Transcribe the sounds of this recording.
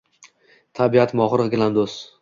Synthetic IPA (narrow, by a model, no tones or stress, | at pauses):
t̪ʰabiat̪mɒχɾɨɡʲland̪os